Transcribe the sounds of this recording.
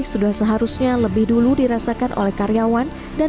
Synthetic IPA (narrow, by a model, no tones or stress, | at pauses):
sudahsəɦaɾusɲaləbɪhduludiɾasakanʔo̰lɛhkaɾjawan | da